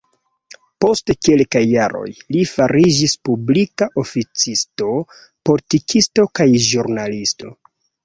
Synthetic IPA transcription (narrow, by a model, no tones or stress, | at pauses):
po̞stekelkajːaɾo̞̰jlifaɾid͡ʒispublikaʔo̞fit͡sisto̞ | po̞litikʰisto̞kajʒuɾnalisto̞̰